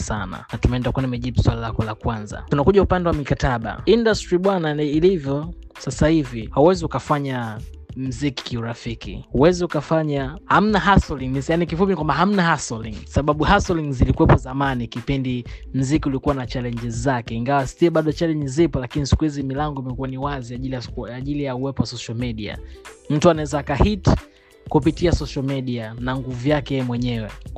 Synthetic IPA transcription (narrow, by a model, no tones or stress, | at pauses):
sa̰na̰natumɛɛndakuanimɛʄiɓuswalilakɔlakwanza̰tunakuʄaupandɛwamikataɓa̰indastɾiɓwananiilivjɔ | sasahivihauwɛziukafaɲa | m̩ziki̥kiuɾafikḭhuwɛziukafaɲaham̩naɦasɔliŋnijanikifupinikwambaɦam̩nahasɔliŋsaɓaɓuhasɔliŋzilikuwɛpɔzamanikipindim̩zikiulikuwanat͡ʃalɛɲd͡ʒɛzizakɛiŋɡawastiɛɓaɗɔt͡ʃalɛɲd͡ʒɛzipɔlakinisi̥kuhizimilaŋɡɔimɛkuaniwaziaʄilijaaʄilijauwɛpɔwasɔʃalmiɗia̰m̩tuanaɛzaːkahit | kupitiasɔʃalmiɗianaŋɡuvujakɛjɛɛmwɛɲɛwɛ̰